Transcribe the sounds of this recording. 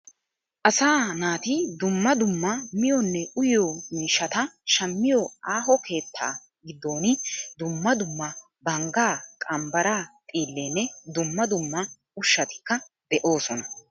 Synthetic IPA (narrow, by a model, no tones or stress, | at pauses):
ʔɐsaːnaːt̪ɪd̪ʊmːɐd̪ʊmːɐmɪjɔnːɛʊjomiːʃːɐt̪ɐʃɐmːɪjɔaːɦɔke̞ːt̪ʰːa̰ː | ɡɪd̪ːo̞ːnɪd̪ʊmːɐd̪ʊmːɐ | bɐŋɡaːkʼɐmbɐɾaːt̪ʼiːlːeːnːɛd̪ʊmːɐd̪ʊmːɐ | ʊʃːɐt̪ɪ̥kːɐ | d̪ɛʔo̞ːsɔnɐ